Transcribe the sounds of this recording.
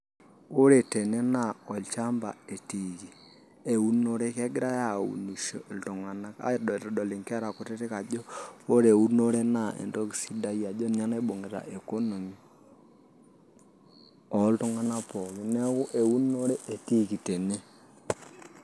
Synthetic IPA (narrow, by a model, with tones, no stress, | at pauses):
o˦ɾe˨te˨ne˦na˦˨ɔ˨lt͡ʃa˦mba̰˨e˨ti˨ki˨ | e˨wu˦no˦ɾe˦kɛ˦ɡɾa˦ja˨wṵ˨nu˨ʃɔ̰˨ltu˨ŋa˨na˦ka̰˨˦dɔ˨tɔ˨dɔ˨lɪ˨ŋkɛ˦ɾa˨ko˨tɛ˦te˦ka˨d͡ʒɔ˦o˦ɾe˨wu˦no˦ɾe˦na˨ḛ˨ndɔ˦ki˨si˦da˦ja˨d͡ʒɔ˦nɲa˦na˦ɓo˨ŋe˨ta̰˨ʔe˨ko˦no˨mi˨ | ɔ˨˦ltu˦ŋa˦na˦pɔ˨li˦nɛ˦kʊ˦ʔe˨u˦no˦ɾe˦e˨ti˦ki˨te˨ne˦